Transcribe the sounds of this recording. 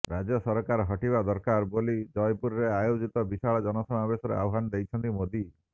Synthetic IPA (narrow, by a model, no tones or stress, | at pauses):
ɾad͡ʒɔsɔɾkaɾɔɦɔʈibad̪ɔɾkaɾbolid͡ʒɔjpuɾɔɾeajod͡ʒit̪ɔbisaɭɔd͡ʒɔnɔsɔmabesɔɾḛa̰wɦanɔd̪ejt͡ʃʰɔnt̪imod̪i